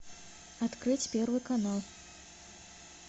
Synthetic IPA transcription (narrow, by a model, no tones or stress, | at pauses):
at̪kɾɨt͡sʲpʲɛrvɨkanalˠ